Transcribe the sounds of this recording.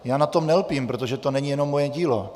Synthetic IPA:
jaːnat̪o̞mnɛlpimpɾot̪̬oʒɛt̪o̞nɛɲijɛno̞mːojɛɟiːlo̰

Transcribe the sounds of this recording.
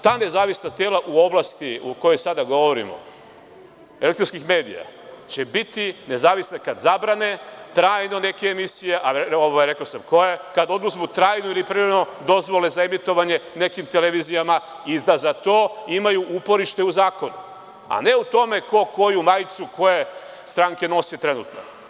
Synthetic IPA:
t̪aːne̞zaːʋisnat̪e̞ːlaʔuo̞blast̪iuko̞jo̞jsad̪aɡo̞ʋoɾḭmo̞̰ | elek̚t̪ɾonskixme̞ːd̪ḭja̰t͡ɕe̞bit̪ine̞zaːʋisnekad̪zabɾane̞t̪ɾaːjno̞ne̞keːmisije̞ʔaoʋajɾe̞kosamko̞jekad̪o̞d̪nuzmut̪ɾaːjnoilipɾieɾeno̞d̪o̞zʋo̞le̞zaemit̪o̞ʋaɲe̞ne̞kimt̪ele̞ʋizijama | id̪azat̪o̞ːimajuʔupo̞ɾiʃt̪e̞uzaːko̞nu | a̰ne̞ut̪o̞me̞ko̞ko̞jumajt̪suko̞je̞ | st̪ɾaŋke̞no̞sit̪ɾe̞nṵːt̪no̞̰

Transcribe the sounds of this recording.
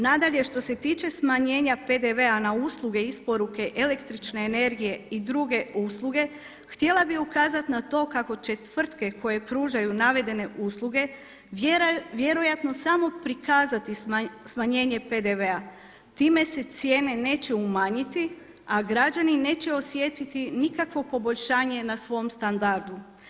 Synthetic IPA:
nad̪aʎe̞ʃt̪o̞se̞t̪iːt͡ʃe̞smaɲe̞ːɲape̞d̪e̞ʋe̞anauslˠuɡe̞ispo̞ɾuke̞ʔele̞kt̪ɾit͡ʃne̞ːne̞ɾɡije̞id̪ɾuɡe̞uslˠuɡe̞ | xt̪je̞lˠabiukaːzat̪nat̪o̞kako̞t͡ʃe̞t̪ʋr̩t̪ke̞ko̞je̞pɾuːʒajunaʋe̞d̪e̞ne̞ʔuːslˠuɡe̞ | ʋje̞ɾo̞jat̪no̞samo̞pɾikaːzat̪ismaɲe̞ːɲe̞pe̞d̪eʋe̞a | t̪iːme̞se̞t̪sje̞ːne̞ne̞ːt͡ɕe̞umaɲit̪i | aɡɾad͡ʒanine̞ːt͡ɕe̞o̞sje̞t̪it̪inikakʋo̞po̞bo̞ʎʃaːɲe̞nasʋo̞omst̪and̪aɾd̪u

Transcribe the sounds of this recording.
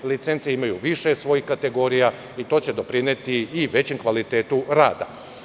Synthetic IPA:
lit̪se̞nt̪siimajuʋiʃe̞sʋo̞jixkat̪e̞ɡo̞ɾija | it̪o̞ːt͡ɕe̞d̪o̞pɾinet̪iːʋe̞t͡ɕemkʋalit̪eːt̪uɾaːd̪a̰

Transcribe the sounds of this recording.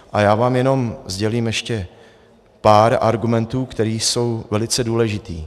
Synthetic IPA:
ʔajaːvaːmjɛno̞mzɟɛliːmjɛʃcɛ | paːɾa̰ɾɡumɛnt̪uːkt̪ɛɾiːso̞wvɛlɪt͡sɛduːlɛʒɪt̪iː

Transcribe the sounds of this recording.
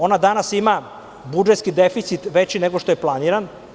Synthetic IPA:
o̞nad̪anasima | bud͡ʒet̪skid̪efit̪sit̪ʋet͡ɕineɡoʃt̪ojeplˠaniɾan

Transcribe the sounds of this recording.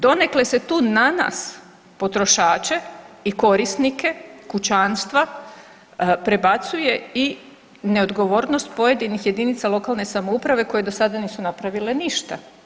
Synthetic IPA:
d̪o̞ne̞kle̞se̞t̪uːnana̰s | po̞t̪ɾo̞ʃaːt͡ʃe̞iko̞ɾisnike̞kut͡ɕanst̪ʋa | pɾe̞bat̪suje̞i | ne̞o̞d̪ɡo̞ʋo̞ːɾno̞st̪̚po̞je̞d̪inixje̞d̪init̪salˠo̞kaːlˠnesamoupɾaʋe̞ko̞je̞d̪o̞sad̪aniːsunapɾaʋile̞niʃt̪a

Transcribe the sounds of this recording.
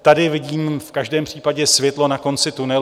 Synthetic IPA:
t̪adɪvɪɟiːmfkaʒdɛːmpr̝̥iːpaɟɛsvjɛt̪lo̞nako̞nt͡sɪt̪unɛ

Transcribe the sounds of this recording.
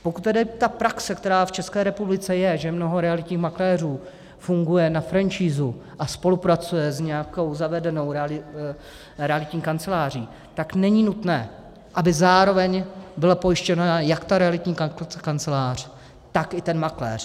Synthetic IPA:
po̞kut̪̚t̪ːɛdɪt̪apɾaksɛkt̪ɛɾaːft͡ʃɛskɛːɾɛpublɪt͡sɛjɛʒɛmno̞ɦo̞ɾɛalɪt̪ɲiːxmaklɛːr̝uː | fuŋɡujɛnafɾant͡ʃiːzuʔaspo̞lupɾat͡sujɛzɲɛakowzavɛdɛno̞wɾlɪ | ɾɛalɪt̪ɲiːkant͡sɛlaːr̝iː | t̪aknɛɲinut̪nɛː | ʔabɪzaːɾo̞vɛɲbɪlapo̞jɪʃcɛnajakt̪aɾɛalɪt̪ɲiːkakant͡sɛlaːr̝̥ | t̪akɪt̪ɛnmaklɛ̰ːr̝

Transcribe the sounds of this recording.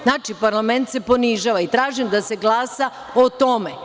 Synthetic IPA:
znaːt͡ʃipaɾlˠame̞nt̪se̞po̞niʒaːʋait̪ɾaːʒimd̪ase̞ɡlˠaːsa | ot̪o̞me

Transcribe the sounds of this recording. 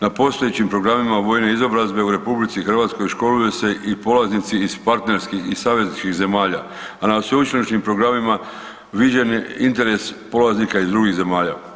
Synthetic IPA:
napo̞st̪o̞jet͡ɕimpɾo̞ɡɾamimaʋo̞ːjne̞izo̞bɾazbe̞uɾe̞publit̪sixr̩ʋat̪sko̞jʃko̞lujuse̞ʔipo̞laznit̪siːz̥paɾt̪ne̞ɾskixisaːʋe̞znit͡ʃkiɣze̞maːʎa | anasʋeut͡ʃinot͡ʃnimpɾo̞ɡɾamima | ʋid͡ʒeneint̪e̞ɾe̞spo̞laznikaizd̪ɾuɡiɣze̞maːʎa̰

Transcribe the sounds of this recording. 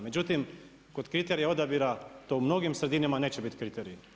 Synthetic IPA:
me̞d͡ʑut̪im | ko̞d̪kɾit̪eɾijao̞d̪abiɾat̪oumno̞ɡimsɾed̪inimane̞ːt͡ɕebit̪kɾit̪eɾij

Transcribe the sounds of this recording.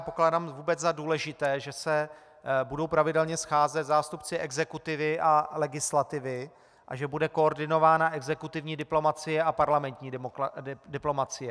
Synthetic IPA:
poklaːdamvuːbɛt͡szaduːlɛʒɪt̪ɛːʒɛsɛ | budo̞wpɾavɪdɛlɲɛsxaːzɛt̪zaːst̪upt͡sɪʔɛɡzɛkut̪ɪvɪʔalɛɡɪslat̪ɪvɪ | ʔa̰ʒɛbudɛko̞ːɾdɪno̞vaːnaʔɛɡzɛkut̪ɪvɲiːdɪplo̞mat͡sɪjɛapaɾlamɛnt̪ɲiː | dɪplo̞mat͡sɪjɛ

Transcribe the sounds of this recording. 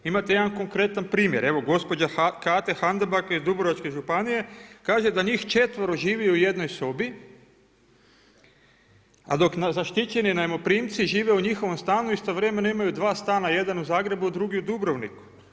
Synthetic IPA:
imat̪ejed̪anko̞ŋkɾe̞t̪anpɾiːmjeɾe̞ʋo̞ɡo̞spo̞d͡ʑakaːt̪exand̪abakizd̪ubɾoʋat͡ʃke̞ʒupanije̞kaːʒe̞d̪aɲiːxt͡ʃet̪ʋoɾoʒiːʋiuje̞d̪no̞jso̞bi | a̰d̪o̞knazaʃt̪it͡ʃe̞ninaemo̞pɾiːmt̪siʒiːʋeuɲixo̞ʋo̞mst̪aːnuist̪oʋɾe̞me̞naimajud̪ʋaːst̪aːnaje̞d̪anuzaːɡɾe̞buad̪ɾuɡiud̪ubɾoʋniku̥

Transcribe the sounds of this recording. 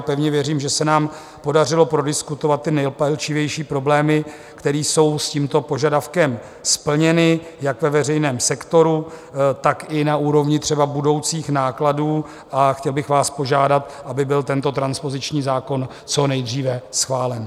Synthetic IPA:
pɛvɲɛvjɛriːmʒɛsɛnaːm | po̞dar̝ɪlo̞pɾo̞dɪskut̪ovat̪̚ːɪnɛjlpɛlt͡ʃɪvjɛjʃiːpɾo̞blɛːmɪ | kt̪ɛɾiːso̞wsciːmt̪o̞po̞ʒadafkɛm | spl̩ɲɛnɪjakvɛvɛrɛjnɛːmsɛkt̪o̞ɾut̪akɪnaʔuːɾo̞vɲɪt̪r̝̥ɛbabudo̞wt͡siːxnaːkladuː | ʔaxcɛlbɪxvaːspo̞ʒaːdat̪ | ʔabɪbɪlt̪ɛnt̪o̞t̪ɾanspo̞zɪt͡ʃɲiːzaːko̞n | t͡so̞nɛjd̪riːvɛsxvaːlɛn

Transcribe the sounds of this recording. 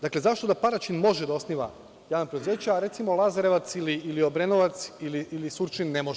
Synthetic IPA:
d̪akle̞zaʃt̪o̞d̪apaɾat͡ʃinmo̞ʒed̪ao̞sniʋa̰ | jaːnapɾed̪uze̞ːt͡ɕeaɾe̞t̪simo̞lˠazaɾeʋat̪siliːliobɾenoʋat̪siliilisuɾt͡ʃinːemoʒ

